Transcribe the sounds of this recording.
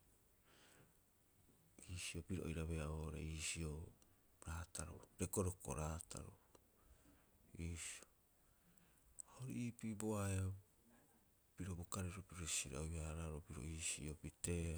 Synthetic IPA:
iːsio̞piɾoʔo̰jɾaβeaoɾḛiːsio | ɾaːtaɾo̰ɾeko̞ɾoko̰ɾaːtʰa̰ɾo̰ | iːsio | aoɾiipiboaea | piɾo̞bokaɾeɾopiɾosiɾa̰ojaɾaɾopiɾo̞̰iːsḭopite̞a

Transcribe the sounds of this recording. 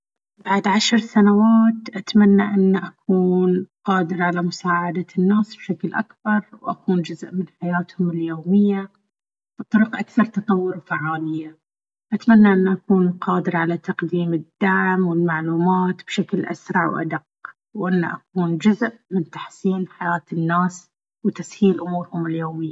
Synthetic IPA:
baʕd̪ʕaʃɾˤsanawaːt̪ʔat̪manːaʔɪnːaʔakʰuːnqɑːd̪ɪɾʕalamʊsaːʕad̪anːaːsb̥ʃaklʔa̰kbɑɾˤwʔakuːnd͡ʒʊzʔmɪnħajaːt̪hʊmɪljoːmɪjːa | b̥ɨt̪ˤːʊɾiqʔakθɑɾˤt̪ɑt̪ˤɑwːʊɾfaʕːaːlɪjːa | ʔat̪manːaʔɪnːaʔakuːnqɑːd̪ɪɾʕalat̪ɑqd̪iːmɪd̪ːaʕmwɪlmaʕluːmaːt̪b̥ʃaklʔa̰sɾˤɑʕwʔa̰d̪aqː | wʔɪnːa̰ʔakuːnd͡ʒʊzʔmɪnt̪ḁħsiːnħajaːt̪ɪnːaːs | wt̪ashiːlʔʊmuːɾhʊmɪljoːmɪjːa

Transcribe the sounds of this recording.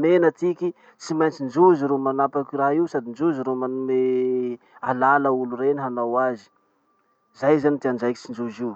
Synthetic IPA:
menət̪ikʲi | t͡simajnt͡sind͡ʒuziɾomanapakʲiraɦiwsad̪ind͡ʒuziɾomanue | alaləulurenɦanawazi̥ | zajzanit̪iand͡ʒajkʲit͡sind͡ʒuziw

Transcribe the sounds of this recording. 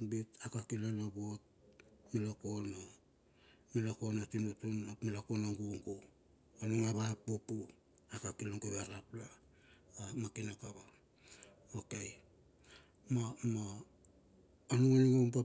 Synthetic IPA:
bitakakilanabot̚milokono | milokonatimutunamilakonaŋɡuŋɡo | onuŋaβapːupu | akakiloŋɡoβaɾapla | amakinakaβa | okej | mamo | onuŋaniŋomp̬a

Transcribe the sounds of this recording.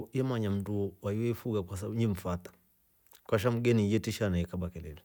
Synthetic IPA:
iɛmaɲam̩duɔwaiwɛifuɣakwas̬auɲim̩fat̪ḁ | kwaʃ̬am̩ɡɛnijɛtiʃanaɛkaɓakɛlɛlɛ

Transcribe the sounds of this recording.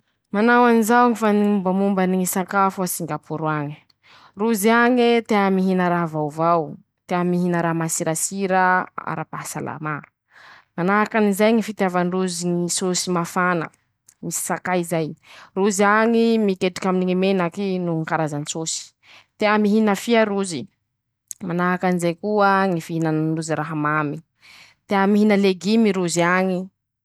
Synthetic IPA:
manawanizaaŋifaniumbamumbaniŋisakafusiŋɡapuɾuaŋi̥ | ruziaŋet̪eamiɦinəɾaɦvawvaw | t̪eamiɦinəɾamasiɾasiɾəa̰ɾapaɦsa̰la̰ma | manaɦakanizajŋifit̪javanruziŋisosimafanə̰ | misi̥sakajizajruziaŋimikeʈ͡ʂi̥kaminiŋimenakinuŋkaɾazanisosi̥ | t̪eamiɦinəfiaɾuzi | manaɦakanizajkuəŋifiɦinanɳɖ͡ʐuziɾaɦamami | t̪eamiɦinəleɡimiɾuziaŋi

